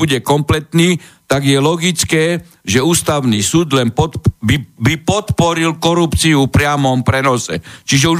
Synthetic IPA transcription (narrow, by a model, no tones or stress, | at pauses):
uɟɛkɔmplɛt̪niːt̪aɡjɛlɔɡit͡skɛː | ʒɛuːst̪aʊniːsuːd̪lɛnpɔt̪bibipɔt̪pɔɾilkɔɾupt͡siupɾɪamɔmpɾɛnɔsɛ̰t͡ʃiʒɛu